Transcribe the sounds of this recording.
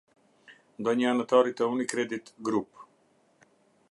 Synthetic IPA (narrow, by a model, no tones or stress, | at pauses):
d̪ɔɲanat̪ɔɾit̪ɛunikɾɛd̪it̪ɡɾup